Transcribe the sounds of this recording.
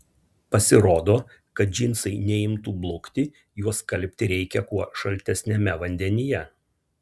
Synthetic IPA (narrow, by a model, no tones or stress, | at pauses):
pɐsʲɪɾoːd̪oː | kɐt̪̚d͡ʒʲinˑsɐɪnʲɛɪmt̪uːblˠʊkt̪ʲɪ | juɔskɐlʲpʲt̪ʲɪɾʲɛɪkʲɛkuɔʃɐlʲˑt̪ʲɛsʲnʲɛmʲɛʋɐnʲd̪ʲɛnʲɪjɛ